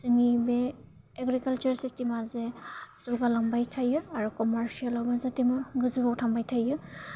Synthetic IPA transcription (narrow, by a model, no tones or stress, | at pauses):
sɯŋibe | eɡɾikalt͡ʃaɾsistimazesuɡalaŋbajtʰajɯaɾukɔmaɾsialawbazatimɯɡɯzɯbawtʰaŋbajtʰajɯ